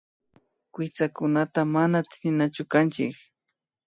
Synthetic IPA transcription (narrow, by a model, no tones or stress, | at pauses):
kwɪt͡sakʊnat̪amanat̪ɪnat͡ʃʊkant͡ʃɪ̰k